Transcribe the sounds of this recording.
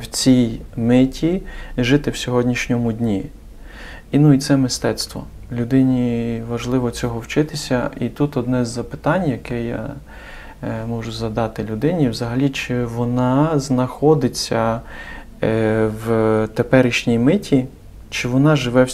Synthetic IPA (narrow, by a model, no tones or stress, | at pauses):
wt͡sʲijmɪtʲiʒɪt̪ɪwsʲɔɦɔdʲnʲiʃnʲɔmʊdʲnʲi | inuit̪sɛmɪst̪ɛt̪st̪ʋɔ̰ | lʲʊd̪ɪnʲiʋɐʒlˠɪʋɔt͡sʲɔɦɔwt͡ʃɪt̪ɪsʲɐit̪ut̪ɔd̪nɛzːɐpɪ̥t̪ɑnʲjɐkɛjɑ̰ | mɔʒʊzɐd̪ɑt̪ɪlʲʊd̪ɪnʲiwzɐɦɐlʲit͡ʃɪʋɔnɑznɐxɔd̪ɪt͡sʲːɐ | wt̪epɛɾɪʃnʲijmɪtʲi | t͡ʃɪʋɔnɑʒɪʋɛw